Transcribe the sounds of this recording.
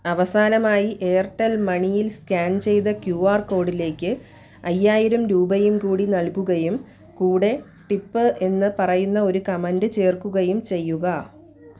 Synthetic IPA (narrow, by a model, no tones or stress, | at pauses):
ɐʋɐsaːnɐmaːjiʔeːrʈːɐlmɐɳijilskaːnt͡ɕe̞jt̪ɐkjuːaːrko̞ːɖile̞ːkʲːɨ | ɐjːaːjiɾɐmɾuːbɐjumkuːɽinɐlkuɣɐjum | kuːɽe̞ | ʈipːɨʔe̞nːɨpɐrɐjunːɐo̞ɾukɐmɐndɨt͡ɕe̞ːrkuɣɐjumt͡ɕe̞jːuɣɐ